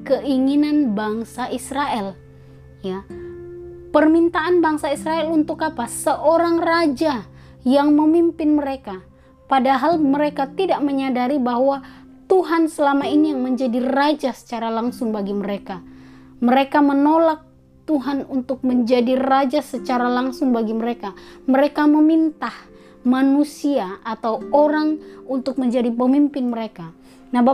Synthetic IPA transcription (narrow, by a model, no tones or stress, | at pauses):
kəʔiŋinanbaŋsaʔisɾaɛl | ja | pərmint̪aanbaŋsaisɾaɛlunt̪ʊkapasəʔoɾaŋrad͡ʒa | jaŋməmimpɪnməɾeka | padaɦalməɾekat̪idaʔməɲadaɾibaɦwa | t̪uɦansəlamainijaŋməɲd͡ʒadirad͡ʒasə̥t͡ʃaɾalaŋsʊŋbaɡiməɾeka | məɾekamənolak̚ | t̪uɦanunt̪ʊk̚məɲd͡ʒadirad͡ʒasət͡ʃaɾalaŋsʊŋbaɡiməɾekaməɾekaməmint̪ah | manusiaːt̪awoɾaŋunt̪ʊk̚məɲd͡ʒadip̬əmimpɪnməɾeka | nahba